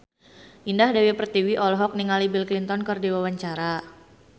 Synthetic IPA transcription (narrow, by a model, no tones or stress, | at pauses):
ʔindahdawipərt̪iwiʔɔlɦɔk̚niŋalibilklint̪ɔnkərdiwawaɲt͡ʃaɾa